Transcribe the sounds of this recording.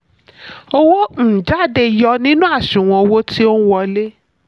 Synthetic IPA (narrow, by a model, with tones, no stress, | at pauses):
o˦wo˦n̩˦˨d͡ʒa˨˦˨de˧˨jɔ˧˦nĩ˦nũ˦a˦˨ʃũ˨w̃ɔ̃˧wo˦ti˦o˦nũ˦wɔ˧le˦